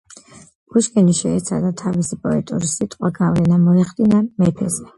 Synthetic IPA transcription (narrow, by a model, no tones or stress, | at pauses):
ɡ̥uʃkʼɛniʃɛːt̪sʰa̰d̪at̪ʰavisipʼɔɛt̪ʼuɾisit̪ʼqʼwaɡavlɛnamɔɛχd̪inamɛpʰɛzɛ